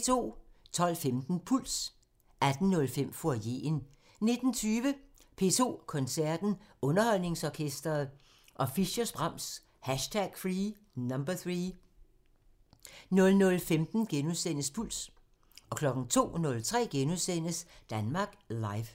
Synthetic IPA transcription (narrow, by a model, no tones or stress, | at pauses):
t͡sʰo̝̰ːt͡sʰɒ̽l̰femd̥n̩pʰul̰s | æd̥n̩nɔ̽lfem̰foje̝̰ːn | ne̝d̥n̩t͡sʰyːʋə | pʰe̝̰t͡sʰo̝̰ːkʰɒ̽nsæɐd̥n̩ɔ̽nɐhɒ̽l̰ne̝ŋsɒkʰesd̥ʁɐð̩ˠ | ʔɒ̽fiɕɐsb̥ʁɑ̈m̰s | hæɕtʰæɡ̥fʁiː | nɑmb̥ɐθʁiː | nɔ̽lnɔ̽lfemd̥n̩ɡ̥enuðˠsen̰əspʰul̰s | ɒ̽kʰlɒ̽ɡ̥n̩t͡sʰo̝̰ːnɔ̽lt͡sʰʁɛ̰ːɡ̥enuðˠsen̰əsd̥ænmɑ̈ːɡ̥lɑ̈ɪf